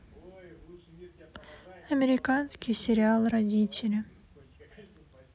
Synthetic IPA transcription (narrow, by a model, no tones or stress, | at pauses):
ɐmʲeɾʲɪkanskʲisʲeɾʲɪalˠrɐdʲitʲɪlʲɪ